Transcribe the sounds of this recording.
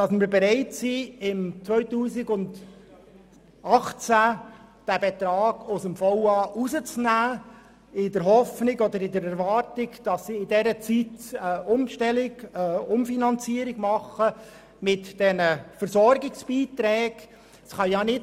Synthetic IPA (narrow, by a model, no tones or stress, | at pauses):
d̥ɑsmɪɾbeɾæɪtsiɪmt͡svœʏtuːsɪɡʊnd | ɑχt͡sæd̥æbɛt̪ɾɑːɡ̥ʊsəmfɔʊɑːʔuzət͡snæː | ɪdəɾɦɔfnɪɡɔd̪əɾɪdəɾɛɾvɑɾtɪɡd̥ɑsːiɪdɛɾət͡sitːʔʊmʃtɛlɪɡʊmfinɑnt͡siːəɾɪɡ̥mɑχə | mɪtd̥ɛnəfəɾsɔɾɡɪksb̥iːt̪ɾɛːɡ̥ | sχɑjɑnɪ